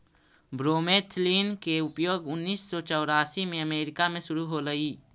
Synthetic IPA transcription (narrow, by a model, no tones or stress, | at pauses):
bɾoːmeːt̪ʰliːnkeʊpjoːɡʊnːiːsːɔt͡ʃɔːɾaːsimẽəmeːɾɪkamẽʃʊɾuɦoɾəiː